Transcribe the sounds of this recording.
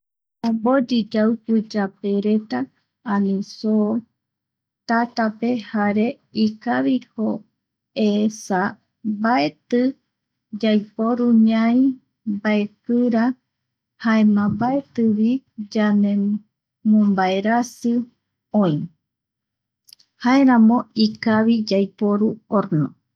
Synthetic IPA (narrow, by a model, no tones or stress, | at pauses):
ambod͡ʒid͡ʒawkɨd͡ʒapeɾet̪ãː | nĩso | t̪at̪ape̞haɾe̞ | ikaβiho | esa | baet̪ɨ | d͡ʒajpoɾuɲãj | baepɨɾa | haemãbaet̪ɨβid͡ʒanẽ | mõmbaeɾasɨ | õĩ | haeɾãmõikaβid͡ʒajpoɾuoɾnõ